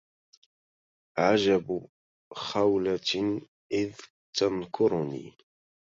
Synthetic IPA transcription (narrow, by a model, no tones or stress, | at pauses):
ʕad͡ʒab | xawla | ʔɪð | t̪ankʰʊɾʊnḭː